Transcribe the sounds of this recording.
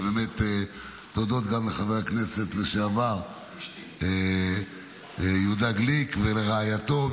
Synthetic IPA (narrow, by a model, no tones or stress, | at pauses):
bemet̪ | t̪od̪o̞t̪ɡamleχaveʁaknese̞t̪leʃeavaʁ | e | jud̪aɡlikveleʁeajat̪o̞